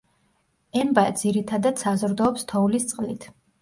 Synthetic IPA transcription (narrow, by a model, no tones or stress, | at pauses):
ɛmbad̪z̥iɾit̪ʰad̪ad̪̥sazɾd̪ɔːpst̪ʰɔulist̪sʼqʼlit̪ʰ